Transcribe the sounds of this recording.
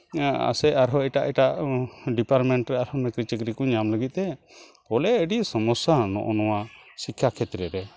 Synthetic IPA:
a̰sɛaɾɦɔɛʈaʔɛʈaʔɖipaɾʈmɛɳʈɾɛaɾhɔnɛkɾit͡ʃəkɾikuɲamləɡit̪̚ˀt̪ɛ | kɔlɛəɖisɔmɔsanɔ̰ʔɔnɔwasikʰːakʰɛt̪ɾɛɾɛ

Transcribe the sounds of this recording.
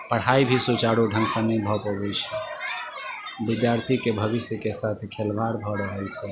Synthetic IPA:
pəɽ̤aibʱisut͡ʃaɽuɖʱəŋɡsə̃nəibʱɔpɔbɛt͡ʃʰɛ | bid̪jaɾt̪ʰikebʱəʋisjəkesat̪ʰkʰelʋaɾbʱɔɾəɦəlt͡ʃʰɛ

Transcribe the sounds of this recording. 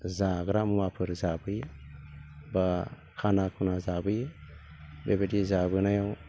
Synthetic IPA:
zaɡɾamumapʰɯɾzabɯj | ba | kʰanakʰunazabɯj | bebedizabɯnajaw

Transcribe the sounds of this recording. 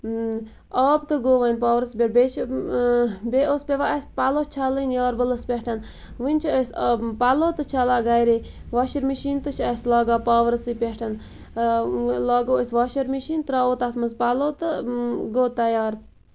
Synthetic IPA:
ɑːb̚t̪ɨɡoːʋɐnʲpaːʋɾsibʲeʈ̚bʲet͡ʃʰ | bʲeʔospʲeʋaʔɐsʲpaloːt͡ʃʰalinjɑːɾbələspʲehʈʰɐn | ʋinʲt͡ʃʰispaloːt̪ɨt͡ʃʰalaːɡajɾiʋaːʃiɾmiʃiːnt̪ɨt͡ʃʰɐsʲlaːɡaːpaːʋɾsipʲehʈʰɐn | laːɡoːəsʲʋaːʃiɾmiʃiːnt̪ɨɾaːoːt̪at̪mɐzpaloːt̪ɨɡoːt̪ɐjaːɾ

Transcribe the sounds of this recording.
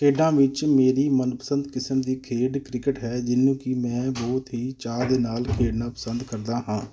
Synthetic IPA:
kʰeːɖãːʋɪt͡ʃmeːɾiːmənpəsə̃nd̪kɪsəmd̪iːkʰeːɖkɾɪkəʈɦɛːd͡ʒɪnːũːkɪmɛ̃ːbɔːt̪ɦiːt͡ʃaːd̪eːnaːlkʰeːɖnãːpəsənd̪kəɾd̪aːɦãː

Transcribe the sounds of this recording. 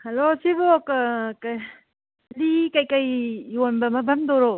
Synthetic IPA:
hɐlosibokak | likɐjkɐjjonbɐmɐbʱɐmdoɾo

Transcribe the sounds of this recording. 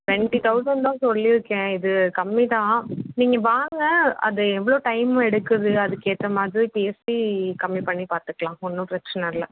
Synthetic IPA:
ʋɛɳʈit̪ɐʊsɐɳɖt̪ãːsɔlːiɪɾɯkːɛ̃ːɪðɯkɐmːit̪ãːniːŋɡɐʋaːŋɡɐɐ̰ðɯɛʋːɐɭoːʈɐɪm̃ɛɽɯkːɯðɯɐðɯkːeːʈɾɐmaːd̪ɾipiɛsʈikɐmːipɐɳːipaːɾt̪ɯkːɐɭãːɔnːɯ̃pɾɛkt͡ʃɐnɐɾlɐ

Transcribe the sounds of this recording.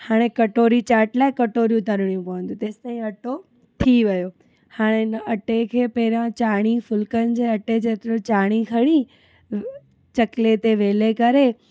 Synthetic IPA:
haːɽ̃ekɐʈoːɾit͡ɕaːɾʈlaːɪkɐʈoːɾijũt̪ɐɾɽijũpɐʋə̃nd̪ũt̪ẽːst̪ãːĩɐʈo | t̪ʰiʋɐjo | haːɽ̃eɪnəɐʈekʰeːpɐɪɾjãt͡ɕaːɽ̃ifʊlkənɪ̆d͡ʑeːɐʈed͡ʑeːt̪ɾot͡ɕaːɽ̃ikʰɐɽ̃i | t͡ɕɐklet̪eʋeːlekɐɾe

